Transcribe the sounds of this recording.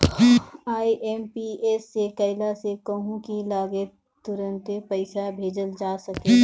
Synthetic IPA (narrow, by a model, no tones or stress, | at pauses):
aːiʔɛːmpieːsːekɐɪlasekəɦũkilaːɡe | t̪ʊɾə̃nt̪epəɪsabʱeːd͡ʒəld͡ʒaːsəkeː